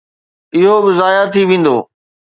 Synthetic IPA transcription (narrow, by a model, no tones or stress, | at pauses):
ɪɦobɪzaːjat̪ʰiʋẽːn̆d̪o̰ː